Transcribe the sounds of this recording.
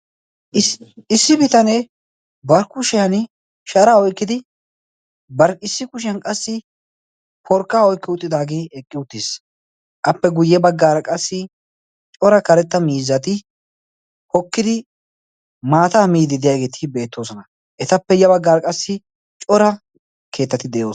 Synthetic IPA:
ɪsːɪbɪt̪ɐnɛ | bɐɾkʊʃɪjɐn | ʃɐɾaːɔjkːɪd̪ɪ | bɐɾɪsːɪkʊʃ̬ɪjɐnkʼɐsːɪ | pʰɔɾkːaːɔjkːɪʊt̪ʼːɪd̪aːɡeːɛkʼːɪʊt̪ːis | ʔɐpːɛɡʊjːɛbɐɡːaːɾɐkʼɐsːɪ | t͡ʃʼɔɾɐkɐɾɛt̪ːɐmiːzːɐt̪ɪ | hɔkːɪd̪ɪ | maːt̪ɐmiːd̪ɪd̪ɪjaːɡe̞ːt̪ʰɪbe̞ːt̪ːo̞ːsɔnɐ | ʔɛt̪ɐpːɛjɐbɐɡːaːɾɐkʼɐsːɪ | t͡ʃʼɔɾɐ | kʰe̞ːt̪ːɐt̪ɪd̪ɛjoː

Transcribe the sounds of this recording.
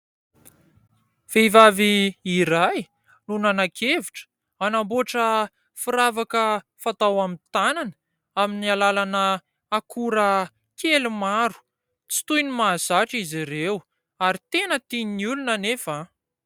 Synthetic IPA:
v̥eivaviiɾaj | nunanakʰeviʈ͡ʂə̥ | anamboʈ͡ʂə | fiɾavakə | fat̪awamit̪ananə | aminialalanə | akʰuɾə | kʰelumaɾu̥ | t͡si̥t̪ujnimazaʈ͡ʂiziɾew | aɾit̪enət̪ininiulunənefa

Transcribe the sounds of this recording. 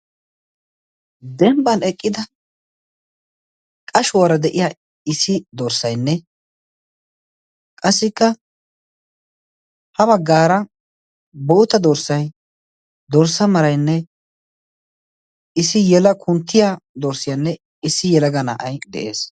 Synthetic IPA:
d̪ɛmbɐnɛkʼːɪd̪ɐ | kʼɐʃʊwaɾɐd̪ɛʔɪja | ɪsɪd̪ɔɾsɐjnːɛ | kʼɐsːɪkːɐ | hɐbɐɡːaːɾɐ | boːt̪ɐd̪ɔɾsɐj | d̪ɔɾsɐmɐɾɐjnːɛ | ɪsɪjɛlɐkʰʊnt̪ːɪjad̪ɔɾsɪjanːɛ | ɪsːɪjɛlɐɡɐna̰ːʔɐjd̪ɛ̰ʔe̞̰ːs

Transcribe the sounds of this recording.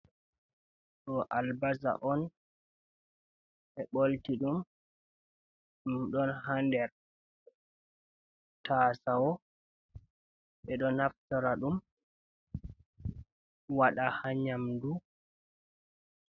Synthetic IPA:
ɗɔʔalbaza̰ʔɔn | ɛɓoltiɗum | ɗumɗɔnhandɛɾ | tʰaːsawɔ | ɓɛɗɔnaftaɾaɗum | waɗahaɲamdu

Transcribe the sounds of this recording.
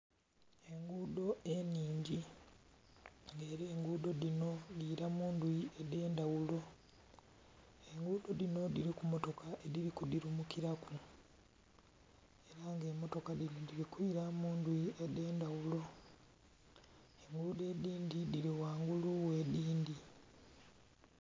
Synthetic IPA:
e̞ŋɡudo̞e̞niːɲɟi | ŋɡe̞ːɾiːŋɡuːdo̞ðino̞diːɾamuːndwiede̞ːndawulo̞ | eŋɡuːdo̞dino̞diɾikumo̞to̞kʰaʔe̞diɾikudiɾumukiɾaku | e̞ɾaŋɡe̞ːmo̞to̞kadinodiɾikuiɾamuːndwiedeːndawulo̞ | eŋɡuude̞ːdiːndidiɾiwaːŋɡuluwediːndi

